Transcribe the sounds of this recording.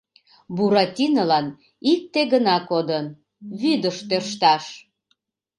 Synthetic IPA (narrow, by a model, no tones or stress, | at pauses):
buɾɑt̪ʲinəlɑn | ik̚t̪eɣənɑkod̪ən | βyd̪əʃt̪ørʃt̪ɑʃ